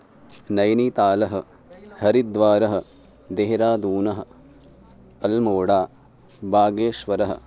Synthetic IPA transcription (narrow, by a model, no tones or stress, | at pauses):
nɐjniːt̪aːlɐɦɐ̆ | hɐɾid̪ʋaːɾɐɦɐ̆ | d̪eːɦɾaːd̪uːnɐɦɐ̆ | ɐlmoːɽaː | baːɡeːʃʋɐɾɐɦɐ̰̆